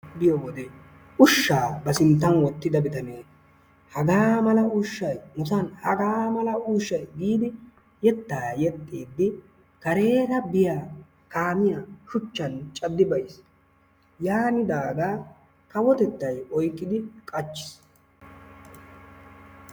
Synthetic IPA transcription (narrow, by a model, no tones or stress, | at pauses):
bɪjɔwɔd̪e | ʔʊʃːaːbɐsɪnt̪ːɐnwɔt̪ːɪd̪ɐbɪt̪ɐneː | hɐɡaːmɐlɐʊʃːɐjmʊsɐnhɐɡaːmɐlɐuːʃːɐjɡiːd̪ɪ | jɛt̪ːaːjɛt̪ʼːiːd̪ːɪ | kɐɾe̞ːɾɐbɪjaː | kaːmɪjaʃʊt͡ʃːɐnt͡ʃʼɐd̪ːɪbɐjs | jaːnɪd̪aːɡaː | kɐwɔt̪ɛt̪ːɐjɔjkʼːɪd̪ɪkʼɐt͡ʃːɪ̥s